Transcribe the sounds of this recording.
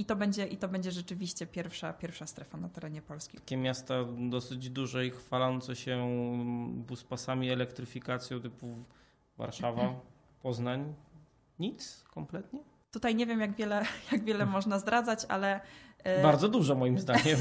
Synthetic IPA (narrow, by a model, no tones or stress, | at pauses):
it̪ɔbɛɲd͡ʑɛʔit̪ɔbɛɲd͡ʑɛʐɛt͡ʂɘvʲiɕt͡ɕɛpʲjɛɾfʂapʲjɛɾfʂast̪ɾɛfanat̪ɛɾɛɲɛpɔlskʲḭḁkʲɛmʲjast̪ad̪ɔsɘd͡ʑd̪uʐɛixfalɔnt̪sɛɕɛ | buspasamʲiɛlɛkt̪ɾɘfʲikat̪sʲjɔ̃w̃t̪ɘpu | va̰ɾʂava | pɔznaɲ | ɲit̪skɔmplɛt̪ɲɛ | t̪ut̪ajɲevʲjɛmjaɡvʲjɛlɛjaɡvʲjɛlɛmɔʐnazd̪ɾʔad̪zat͡ɕa̰lɛbaɾd̪zɔd̪uʐɛmɔjimzd̪aɲɛm